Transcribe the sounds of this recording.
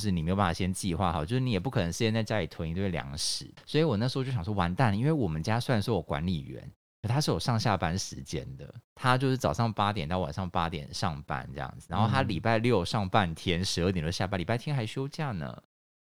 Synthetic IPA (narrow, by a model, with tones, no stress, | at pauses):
ʂɻ̩˥˩ni˨˩e˧˥jo˨˩pa˥˩a˥˧˩ɕjɛ˥nt͡ɕi˥˧xwa̰˥˩xa˨˩t͡ɕo˥˧ʂɻ̩˥˩i˧jɛ˨˩p̬u˥˩kʰɤ˨˩nə˧˦ŋɕjɛ˧nt͡sa˥˩ɪt͡ɕja˦˥li˨˩t̪ʰwə˧˥ŋi˧˥t̪we˥˩ɪljɑ̰˧˥ŋʂɻ̩˨˩˦swɔ˧˥i˨˧wɔ˨˩na˥˩ʂ̩˧˥˧t͡ɕo˥˩jɑ˨˩wɔ˥wa˧˥nt̪a˥˩ni˥nwe˥˩ɪwɔ˨˩mə˦nt͡ɕja˥swa˥˩nʂwɔ˥˩jo˨˩kwa̰˧˥nli˨˩ɥɛ̰˧˦n | kʰt̪ʰa˥ʂɻ̩˥˩jo˨˩ʂɑ˥˧ŋɕja˥˩pa˥nʂɻ̩˧˦t͡ɕjɛ̰˦˥nd̪ə̰˨t̪ʰa˥t͡ɕjo˥˧ʊʂ̩˥˩t͡sɑ˨˩ʊʂɑ˥˩ŋpa˥t̪̬jɛ˨˩nt̪ɑ˥˩ʊwa̰˨˩nʂɑ˥˩ŋpa˥t̪jɛ̰˨˩nʂɑ˥˨ŋpa̰˥˩nʈ͡ʂɤ˥˧jɑ̰˥˩ŋd͡z̩˨˩ɻa˧˦nxo˥ʊt̪ʰa˥li˨˩pa˥˧ɪljo˥˩ʊʂɑ˥˧ŋpa˥˩nt̪ʰjɛ˥nʂɻ̩˧˥˩t̪t͡ɕo˥ja˥˩pa˥nli˨˩pa˥ɪt̪ʰjɛ˥nxa˧˥ɪɕjo˥ʊt͡ɕja˥˩nə̰˩